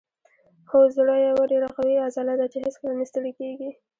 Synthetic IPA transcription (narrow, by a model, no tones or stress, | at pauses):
xozɽəjawaɖeɾaqawiazɑlad̪at͡ʃehɪskɾɑnist̪əlkeɡi